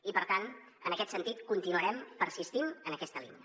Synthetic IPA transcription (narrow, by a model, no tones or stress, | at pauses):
ipəɾt̪an | ənəkɛt̪sənt̪it̪kunt̪inuəɾɛmpəɾsist̪inənəkɛst̪əlḭnə